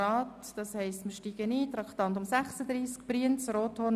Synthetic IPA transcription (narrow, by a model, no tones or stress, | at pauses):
ɑːtd̥ɑshɛɪstmɪɾʃtiːɡəniːt̪ɾɑkt̪ɑnd̪ʊmsæχsəd̪ɾiːsk̚b̥ɾiənt͡sɾoːtʰhɔn